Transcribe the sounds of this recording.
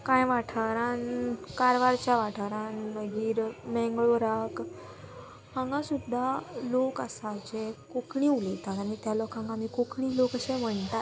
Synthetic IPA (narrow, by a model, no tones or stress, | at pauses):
kãjʋaʈʰəɾankaɾʋaɾt͡ɕjaʋaʈʰəɾãnnəɡiːɾmɛ̃ŋɡɭoɾak | hãŋɡãsud̪ʱːalokəsad͡ʑekokɳiulit̪at̪anit̪jalɔkãŋkamikokɳĩlokəɕẽm̤əɳt̪a